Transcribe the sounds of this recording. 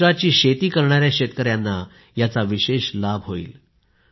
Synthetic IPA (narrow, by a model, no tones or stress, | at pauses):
ɾat͡ɕiːɕet̪iːkəɾɳaɾjaɕet̪kəɾjanːa | jat͡saʋiɕeɕlabʱɦoḭːl